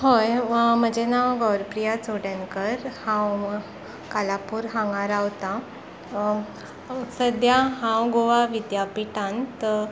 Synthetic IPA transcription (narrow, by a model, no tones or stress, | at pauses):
ɦojm̤əd͡ʑenawɡəwɾpɾijat͡soɽjãnkəɾhãw | kalapuːɾɦãŋɡaɾawt̪a | səd̪jaɦãwɡoʋaʋid̪japiʈãnt̪